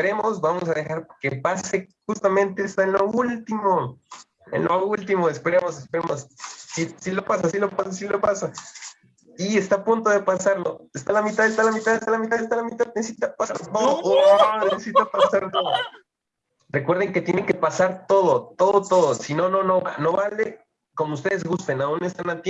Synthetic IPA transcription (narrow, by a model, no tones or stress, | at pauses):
peɾe̞mo̞sbamo̞s̬aðe̞xaɾokepase̞ | xust̪amẽ̞nt̪est̪aenlo̞ult̪imo | ḛnloult̪imoespe̞ɾemo̞sespeɾemossisilo̞pas̬asilo̞pasasilo̞pasa | ie̞st̪apunt̪o̞ðepasaɾlo̞est̪alamit̪aðest̪alamit̪aðest̪alamit̪aðes̬t̪alamit̪aðnesesit̪apasaɾt̪oðoonnesesit̪apasaɾt̪oðo | rekwe̞ɾðeŋke̞t̪jeneŋke̞pasaɾt̪o̞ð̞o̞t̪o̞ðot̪o̞ðosino̞no̞no̞βano̞βale | ko̞moust̪e̞ðe̞zɣust̪e̞naunest̪anat̪j